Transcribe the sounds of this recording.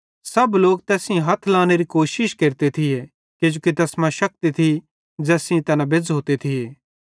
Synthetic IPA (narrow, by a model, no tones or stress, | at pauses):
sɐbloːk̚t̪ɛːsɪ̃ɦɐt̪ʰlãːñeɾikoːʃɪʃkeːɾt̪et̪ʰije | ked͡ʒoːkit̪ɛːsmãʃɐk̚t̪it̪ʰi | d͡ʒɛːsĩt̪ɛnãbed͡zɦoːt̪et̪ʰijeː